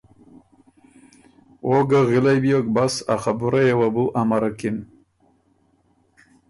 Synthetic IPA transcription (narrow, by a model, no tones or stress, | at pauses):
wʔoɡaɣɪlajbijokbasaχabuɾajewabuʔamaɾakim